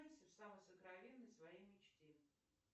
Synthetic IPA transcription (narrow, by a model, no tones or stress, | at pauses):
ɪsʲəfsamɨjsəkɾɐvʲenːəjsvɐjejmʲɪt͡ɕtʲe